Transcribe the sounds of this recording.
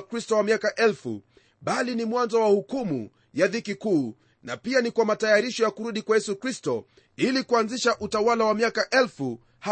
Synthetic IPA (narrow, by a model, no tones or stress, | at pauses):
kɾistɔwamiakaʔɛlfṵ | ɓalinimwanzɔwahukumṵ | jaðikikuː | napianikwamatajaɾiʃɔjakuɾuɗikwajɛsukɾistɔ | ilikuanziʃaʔutawalawamiakaʔɛlfu | ha